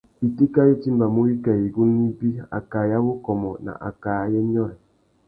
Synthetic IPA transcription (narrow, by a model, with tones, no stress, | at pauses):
i˨ti˦ka˦je˦ti˦m̩˦ba˨mo˦i˦kɛ˨i˨ɡu˦n˦i˦bi˦a̰˨ka˨ja˦wo˦kɔ˨mɔ˨na̰˨ʔa̰˨kaː˨jɛ˦ɲɔ˦ɛ˨